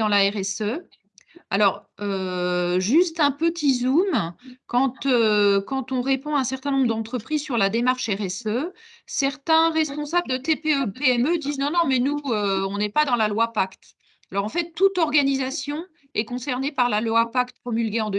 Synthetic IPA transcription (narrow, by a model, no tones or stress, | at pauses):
ɑ̃laɛʁɛsø | a̰lɔʁø | ʒyst̪ɛ̃pət̪ʰizumkɑ̃t̪økɑ̃t̪ɔ̃ʁepɔ̃ɛ̃sɛʁt̪ɛ̃nɔ̃bʁd̪ɑ̃t̪χəpχizsyʁlad̪emaʁʃɛʁɛsø | sɛʁt̪ɛ̃ʁɛspɔ̃sabld̪ət̪epeøpeɛmød̪iznɔ̃nɔ̃mɛnuøɔ̃nɛpad̪ɑ̃lalwapakt̪ | alɔʁɑ̃fɛt̪ːut̪ɔʁɡanizasjɔ̃ | ɛkɔ̃sɛʁnepaʁlalwapakt̪̚pχɔmylɡʲeɑ̃d̪ø